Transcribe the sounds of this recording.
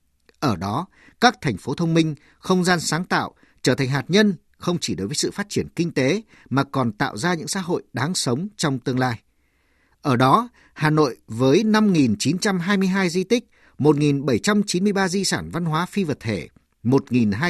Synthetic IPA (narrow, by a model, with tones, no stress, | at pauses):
ʔəː˧˩ɗɔ˨˦ | kaː˦˥k̚t̪ʰɛ˨˩jŋ̟fo˨˦t̪ʰə˧wŋ͡mmï˧ŋ̟ | xə˧wŋ͡mzaː˧nsaː˨˦ŋt̪a̰ː˧˨w | t͡ɕəː˧˩t̪ʰa˨˩ŋ̟ɦaː˨˩t̚ɲə˧n | xə˧wŋ͡mt͡ɕi˧˩ɗo˨˦jvəː˨˦sɨ̰˧˨faː˦˥t̚t͡ɕi˧˩ənkï˧ŋ̟t̪e˨˦ | maː˨˩kɔ˨˩nt̪a̰ː˧˨wzaː˧ɲɨ̰˧˥ŋsa̰ː˧˥˦ɦo̰˧˨jɗaː˨˦ŋsə˨˦wŋ͡mt͡ɕɔ˧wŋ͡mt̪ɨ˧əŋlaː˧j | ʔəː˧˩ɗɔ˨˦ | haː˨˩no̰˧˨jvəː˨˦jna˧mŋi˨˩nt͡ɕi˨˦nt͡ɕa˧mɦaː˧jmɨ˧əjɦaː˧jzi˧t̪ï˦˥k̚ | mo˨˩t̚ŋi˨˩nɓə˧˩jt͡ɕa˧mt͡ɕi˨˦nmɨ˧əjɓaː˧zi˧saː˧˩nva˧nɦwaː˨˦fi˧və˨˩t̚t̪ʰe˧˩ | mo˨˩t̚ŋi˨˩nɦaː˧